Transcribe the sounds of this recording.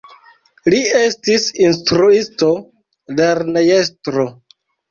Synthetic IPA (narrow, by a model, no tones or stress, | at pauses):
lie̞stisinstɾuisto̞ | leɾnejestɾo